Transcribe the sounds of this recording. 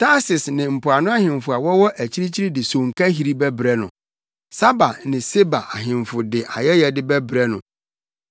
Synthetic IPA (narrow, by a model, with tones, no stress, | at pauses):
tʰa˦sɪ˨snɪ̃˨m̩˨pʊ˨a˨nʊ̃˦a˦hɪ̃˨mfʊ˨a˨wɔ˦wɔ˦ʔæ˨t͡ɕʰi˦ɾi˦t͡ɕʰi˦ɾi˦dɪ˨sõ˨ŋ̩˨ka˦ɦi˦ɾi˦bɛ˦bɾɛ˦nʊ̰̃˨ | sa˦ba˨nɪ̃˨se˦ba˨ʔa˨ɦɪ̃˨ɱfʊ˨dɪ˨ʔa˨jɛ˦jɛ˨dɪ˦bɛ˦bɾɛ˦nʊ̃˨